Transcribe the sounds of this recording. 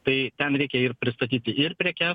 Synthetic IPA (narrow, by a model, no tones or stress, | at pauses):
t̪ɐɪt̪ʲɛnɾʲɛɪkʲɛɪɾpʲɾʲɪst̪ɐt̪ʲiːt̪ʲɪʔɪɾpʲɾʲiɛkʲɛː